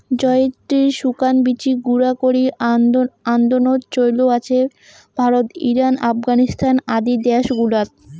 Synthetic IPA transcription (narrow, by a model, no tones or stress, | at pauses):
d͡ʑɔeet̪ɾiɾʃukanbit͡ɕiɡuɾakoɾi | and̪onot̪t͡ɕojloat͡ɕʰe | b̥ʱaɾot̪iɾanafɡanist̪ʰanad̪id̪ɛʃɡulat̪̚